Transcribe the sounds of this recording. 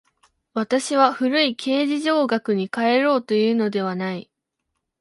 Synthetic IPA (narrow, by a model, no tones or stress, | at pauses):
βat̪aɕiβaɸɯ̟ɾɯ̟ikʰe̞ːʑiʑo̞ːɡakɯ̟ɲ̟ikae̞ɾo̞ːt̪o̞jɯ̟ːno̞d̪e̞β̞anai